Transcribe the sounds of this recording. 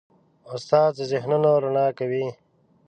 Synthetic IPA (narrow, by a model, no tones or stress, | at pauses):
ʊst̪aːd̪əzɪhnunoɾanɑːkawi